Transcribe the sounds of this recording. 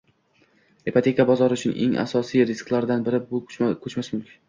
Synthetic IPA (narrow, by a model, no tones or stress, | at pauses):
epʰat̪ʰe̞kʰabɒzɒɾɪʊt͡ʃʰʊnɪŋʔeŋʔa̰sɒsijɾɪsklˠaɾd̪anbɪɾɪbʊkʰɵt͡ʃmasmʊmkʲʰɪ̥n